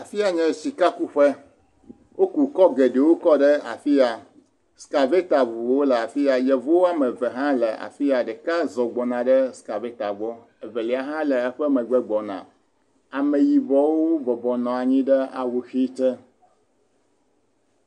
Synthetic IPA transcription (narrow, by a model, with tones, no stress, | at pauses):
a˨fi˦a˨ɲɛ̃˦˨si˨ka˦ku˦ɸɛ˦ | wo˦ku˨kɔ˦ɡe˨ɖe˨wo˦kɔ˦ɖɛ˦a̰˨fi˦a˨ | ska˨ve˦t̪a˨vo˨wo˦lɛ˨a˨fi˦a˨jɛ˨vo˦wa˦mɛ̃˨vɛ˨ɦã˦lɛ̰˨ʔa̰˨fi˦a˨ɖɛ˨ka˦zɔ˨ɡ͡bɔ˨nã˨ɖɛ˦ska˨ve˦t̪a˨vɔ˦ | ɛ˨vɛ˨lɛ˨a˨ɦã˦lɛ˨ɛ˦ɸɛ˦mɛ̃˨ɡ͡bɛ˦ɡ͡bɔ˨nã̰˨ | a˨mẽ˨ji˨vɔ˦wo˦vɔ˨bɔ˨nɔ̃˨a˨ɲĩ˦ɖɛ˦a̰˨wo˨xi˦t͡ʃ̪ɛ˦